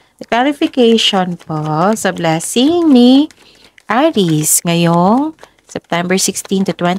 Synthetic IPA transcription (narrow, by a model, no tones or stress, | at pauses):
d̪ɐklaɾɪfɪkejʃonposɐblaːsɪŋni | ʔaɾisŋɐjoŋ | sɛp̚t̪ɛmbɛɹsɪkst̪ĩnt̪ʊt̪wɛ̃n